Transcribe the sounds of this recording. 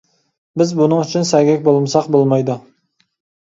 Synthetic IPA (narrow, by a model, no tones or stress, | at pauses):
bɪzbunəŋyt͡ʃʰynsæɡʲɛk̚ʲbolˠmsɑqbolˠmɑjd̪ʊ